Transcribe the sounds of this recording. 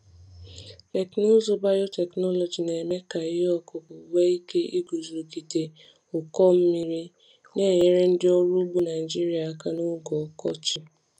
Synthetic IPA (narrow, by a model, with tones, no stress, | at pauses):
te˨kno˦zo˦ba˦jo˦tɛ˨knɔ˦lɔ˨d͡ʒi˨ne˨me˦ka˨ɪ˦ɔ˦kʊ˨bʊ˨we˦i˦ke˦ʔi˦ɡu˨zɾo˨ɡi˨te˨ | ʊ˨kɔ˦m̩˦mi˦ɾi˦ | ne˦˨ɲe˦ɾe˦n̩˦dɪ˦ɔ˦ɾu˦ɡ͡bu˦na˨i˨d͡ʒi˦ɾi˦a˨ka˦nʊ˦ɡɔ˨kɔ̰˦t͡ʃi˦